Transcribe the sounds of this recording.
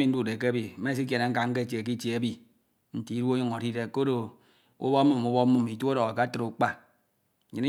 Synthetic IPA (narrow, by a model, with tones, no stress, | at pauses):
mi˨˦n̩˦du˦˨de˨ke˦a˦bi˨˦me˦s̬i˦k̬e˨ne˨ŋ̩˦ka˨ŋ̩˦ke˦˨t͡ʃe˨e˨ki˦t͡ʃe˨e˦bi˦˨ | n̩˨ti˨˦du˦o˦jo˦ŋo˨ɾi˦de˦ko˦do˨ | ṵ˦bɔ˦mu˦˨mu˦bɔ˦mu˦mi˨to˦ɾo˨a˨ka˦tɨ˨ɾu˨˦k͡pa˦˨ | ɲi˨ni˦